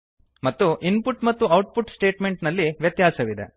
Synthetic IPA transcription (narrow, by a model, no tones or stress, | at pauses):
mɐt̪ːuʔinpuʈmɐt̪ːuɐwʈ̚puʈsʈe̞ːʈme̞ɳʈnɐlːiʋjɐt̪jaːsɐʋid̪ḛ